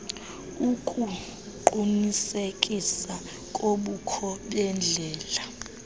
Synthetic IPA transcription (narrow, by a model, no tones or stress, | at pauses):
ukʼu | ǃunisekʼisa | kʼoɓukʰɔɓɛnd͡ɮʱɛːla